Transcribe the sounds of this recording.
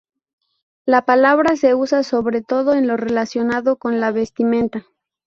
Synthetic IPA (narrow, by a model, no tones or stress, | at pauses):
lapalaβɾase̞usaso̞βɾe̞t̪o̞ðo̞enlo̞re̞lasjo̞naðo̞ko̞nlaβe̞st̪imẽ̞nt̪a